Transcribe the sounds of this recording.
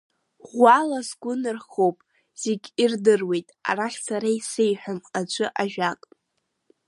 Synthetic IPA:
ʁʷalazɡʷʊnɨrχowpʼ | z̥eɡʲirdɨrwe̞jtʼa̰raχʲt͡sʰaɾaisejħʷᶣamqʼad͡ʒʷʰʼɨʔaʒᶣakʼ

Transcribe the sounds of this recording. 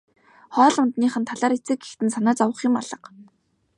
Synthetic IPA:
χɔːɮʊnt̪niːχə̆nt̪ʰaɮaːɾet͡sɘ̆k̚ɡext̪ɘ̆nsanaːt͡sawə̆χɪ̆maɮə̆q

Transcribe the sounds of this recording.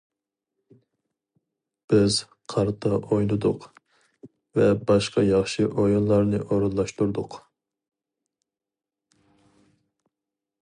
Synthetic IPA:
b̥ɪz | qʰɑɾt̪ʰɑʔojnɨd̪ʊq | vɛbɑʃqɑjɑχʃiʔojunlˠɑɾnɨʔoɾɑlˠːɑʃt̪uɾd̪ʊq

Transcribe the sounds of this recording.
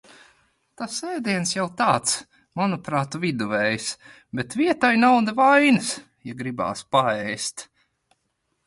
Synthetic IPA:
t̪asɛːd̪iɛnsjawt̪aːt̪s | manupɾaːt̪uvid̪uvɛjs | bet̪vʲiɛt̪ajnawd̪avajnɨs | jaɡɾiba̰ːspaɛjst̪

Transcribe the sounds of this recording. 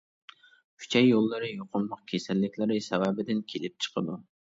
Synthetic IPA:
kʰʲy̥t͡ʃʰɛjːolˠːɨɾɨjoqʰʊnmɑqkʲʰesɛlːɪkʲʰlɪɾɪsɛwæːbɪd̪ɪnkʲʰelɪp̚t͡ʃʰə̥qʰəd̪u

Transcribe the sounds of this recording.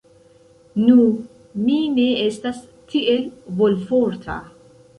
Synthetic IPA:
nu | mine̞estas | tʰiʔe̞lvo̞lfoɾtʰa̰

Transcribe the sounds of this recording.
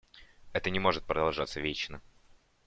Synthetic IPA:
ɛt̪ənʲɪmo̞ʐɨt̪̚pɾəd̪ɐlˠʐat̪səvʲet͡ɕnə

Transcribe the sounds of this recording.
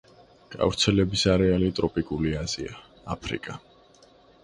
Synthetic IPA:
ɡ̥ʼa̰vɾt̪sʰɛlɛbisaɾɛalit̪ʼɾɔpʼikʼuliaz̥ia | apʰɾḭkʼa

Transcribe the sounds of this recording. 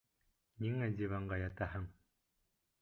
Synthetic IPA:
niŋæd̪ʲivaɴɢɑjɑt̪ɑhɤɴ

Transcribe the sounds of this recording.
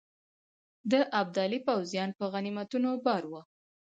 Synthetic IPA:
d̪əʔab̚d̪ɑlipawzjɑnpəɣanimat̪unobɑɾwə

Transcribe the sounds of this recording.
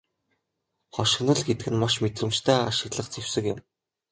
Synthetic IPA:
χɔʃɪ̆nɞ̆ɮɡet̪ɘ̆ɡɘ̆nmaʃmet̪rɘ̆mt͡ɕt̪ʰæːaʃɪ̆ɣɮə̆χt͡sʰew̥sɘ̆kɪ̆m

